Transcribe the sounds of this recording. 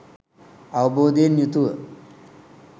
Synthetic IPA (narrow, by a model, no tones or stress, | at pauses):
aʋəboːd̪enjut̪uʋə